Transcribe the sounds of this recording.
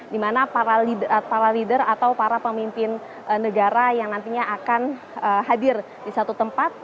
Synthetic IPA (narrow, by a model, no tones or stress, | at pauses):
dimanapaɾalidpaɾalidərat̪awpaɾapəmimpɪn | nəɡaɾajaŋnant̪iɲaʔakan | əɦadɪr | disat̪ut̪əmpat̪̚